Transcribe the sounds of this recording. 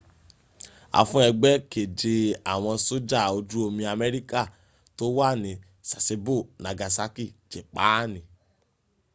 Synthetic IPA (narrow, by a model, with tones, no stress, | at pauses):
a̰˨fũ˦ɛ˧ɡ͡bɛ˦ke˨d͡ʒe˧a˨w̃ɔ̃˧so˦d͡ʒa˦˨o˧d͡ʒu˦o˧mĩ˧a˧mɛ˦ɾi˦ka˦˨ | to˦wa˦˨nĩ˧ | sa˨se˧bo˦˨na˨ɡa˨sa˦ki˦˨d͡ʒe˨k͡pa˦nĩ˨